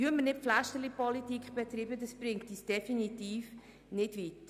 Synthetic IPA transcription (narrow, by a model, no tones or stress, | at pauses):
yəmənɪpflæʃtəlipɔlitikχb̥ɛt̪ɾiːbədəsb̥ɾɪŋtiːsd̥ɛfinitiːf | nɪdʋit